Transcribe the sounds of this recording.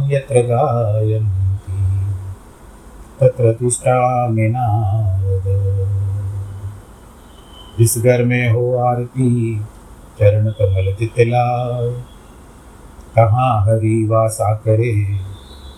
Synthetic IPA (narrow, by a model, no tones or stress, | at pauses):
jɐt̪ɾɐɡaːjɐnt̪i | t̪ɐt̪ɾɐt̪usʈaːmenaːɐd̪ɐ | ɾisɡɐɾmẽːɦoːaːɾt̪i | t͡ʃɐɾɐɳɐt̪ɐmɐlɐd̪it̪elaː | k̪ɐɦãːɦɐɾiʋaːsaːkɐɾeː